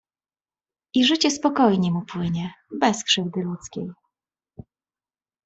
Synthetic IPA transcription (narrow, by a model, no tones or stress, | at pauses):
ʔiʐɘt͡ɕɛspɔkɔjɲɛmupwɘɲɛbɛskʂɘvd̪ɘlut̪skʲej